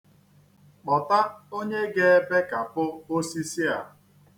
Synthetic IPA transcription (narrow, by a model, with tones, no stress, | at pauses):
k͡pɔ˨ta˦o˦ɲe˦ɡe˦be˦ka˨pʊ˦o˦si˦si˦a˨